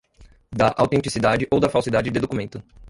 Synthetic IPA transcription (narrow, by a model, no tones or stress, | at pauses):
d̪ɐʔa̰wt̪ẽnt͡ʃisid̪ad͡ʒɪʔowd̪ɐfawsid̪ad͡ʒɪd̪ɪd̪okumẽnt̪ʊ